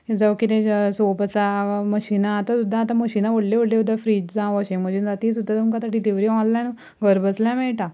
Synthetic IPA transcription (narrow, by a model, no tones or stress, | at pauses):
d͡zaʋkit̪ẽsopəsaməɕinãːt̪ãsud̪ʱːãːt̪ãməɕiːnaʋəɽleʋoɽlesud̪ʱːafɾiːd͡ʑd͡zãʋɔɕẽŋməd͡ʑind͡zat̪isud̪ʱːat̪umkasaʈid̪eʋɾiɔ̃llan | ɡəɾbəsljãmɛɭʈa